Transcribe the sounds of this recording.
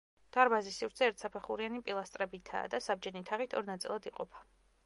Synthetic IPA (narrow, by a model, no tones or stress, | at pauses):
d̪̥aɾbazisivɾt̪sʰɛːɾt̪ʰsapʰɛχuɾianipʼilˠast̪ʼɾɛbit̪ʰa̰ːd̪asab̚d͡ʒɛnit̪ʰaʁit̪ʰɔɾnat̪sʼḭlˠad̪iqʼɔpʰḁ